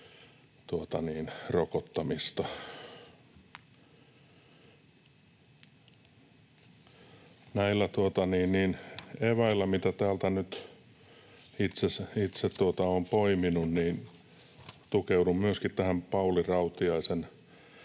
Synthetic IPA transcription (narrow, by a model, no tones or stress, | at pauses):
t̪uot̪ɑniːnrokot̪ːɑmist̪ɑ | næilːæt̪uot̪ɑniːnniːneʋæilːæmit̪æt̪æːlt̪ænyt̪ | it̪sesit̪set̪t̪uot̪ɑoːmpoiminunniːn | t̪ukeudummyøskit̪t̪æhæmpɑulirɑut̪iɑisen